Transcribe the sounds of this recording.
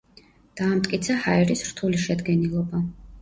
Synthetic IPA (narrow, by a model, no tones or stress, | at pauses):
d̪̥aːmt̪ʼkʼit̪sʰahaɛɾisɾt̪ʰuliʃɛd̪ɡɛnilˠɔba